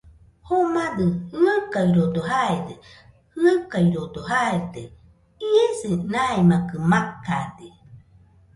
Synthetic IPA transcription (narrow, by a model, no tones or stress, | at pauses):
homad̪ɯhɯakaiɾod̪oɦaed̪e | hɯakaiɾod̪oɦaed̪e | iesenaemakɯmakad̪i